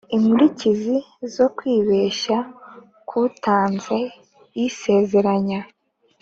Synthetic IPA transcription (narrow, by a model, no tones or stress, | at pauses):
imuɾicizi | zo̞kwiːβe̞ːʃa | kʰuːtaːnze | jise̞ːze̞ɾaɲa